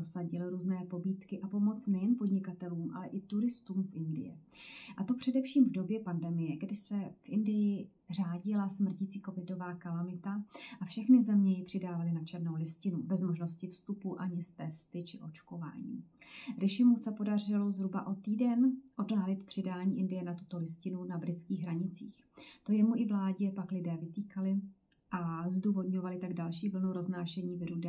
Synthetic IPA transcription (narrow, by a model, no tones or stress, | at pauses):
osaɟɪlɪɾuːznɛːpo̞biːt̪kɪʔapo̞mo̞t͡snɛjɛnpo̞dɲɪkat̪ɛluːmʔa̰lɛʔɪt̪uɾɪst̪uːmsʔɪndɪ̰jɛ̰ | ʔat̪o̞pr̝̥ɛdɛfʃiːmvdo̞bjɛpandɛmɪjɛɡdɪsɛfʔɪndɪjɪ | r̝aːɟɪlasmr̩cit͡siːko̞vɪdo̞vaːkalamɪt̪aʔafʃɛxnɪzɛmɲɛjɪpr̝̥ɪdaːvalɪnat͡ʃɛrno̞wlɪscɪnubɛzmo̞ʒno̞scɪfst̪upuʔaɲɪst̪ɛst̪ɪt͡ʃɪʔo̞t͡ʃko̞va̰ːɲḭːɾɛʃɪmusɛpo̞dar̝ɪlo̞zɦɾuba̰ʔo̞t̪iːdɛnʔo̞daːlɪt̪pr̝̥ɪdaːɲiːʔɪndɪjɛnat̪u̥t̪o̞lɪscɪnunabɾɪt͡skiːɣɦɾaɲɪt͡sḭːx | t̪o̞jɛmuʔɪvlaːɟɪɛpaklɪdɛːvɪt̪iːkalɪ | ʔazduːvo̞dɲo̞valɪt̪aɡdalʃiːvl̩nowɾo̞znaːʃɛɲiːvɪɾudɛ